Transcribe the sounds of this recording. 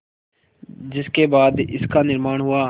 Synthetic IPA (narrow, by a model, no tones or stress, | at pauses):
d͡ʒɪskeːbaːd̪ɪskaːnɪɾmaːɳɦʊaː